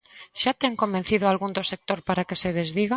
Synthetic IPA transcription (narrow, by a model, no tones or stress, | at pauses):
ʃat̪eŋkombẽn̟θiðoalɣund̪osek̚t̪oɾpaɾakeseðezðiɣa